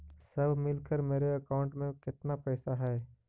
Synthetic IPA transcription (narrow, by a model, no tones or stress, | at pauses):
sɐbʱmɪlkəɾmeːɾeɐkaːʊ̃ɳʈmẽkɪt̪napɛːsaɦɛː